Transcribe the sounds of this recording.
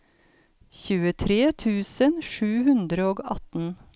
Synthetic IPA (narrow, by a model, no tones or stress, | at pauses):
çʉːət̪ʰɾeːt̪ʰʉːsənʃʉːhʉnd̪ɾəoːɡɑ̰t̪n̩